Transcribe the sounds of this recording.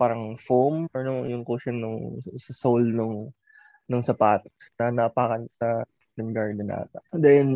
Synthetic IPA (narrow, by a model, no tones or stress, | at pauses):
paːɾɐŋfomɔnojʊŋkoːʃɐnʊŋsɐsowlnʊŋ | nʊŋsɐpaːt̪ɐ̥snɐnɐːpaːkɐnsɐ | nɐŋɡaɹd̪ɛnʔa̰ːt̪ɐd̪ɛjn